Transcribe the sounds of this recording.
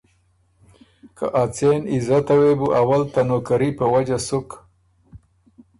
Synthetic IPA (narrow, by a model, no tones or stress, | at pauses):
kʰa̰ʔat͡senɪzat̪awebuʔawalt̪anokaɾipəwad͡ʒasʊk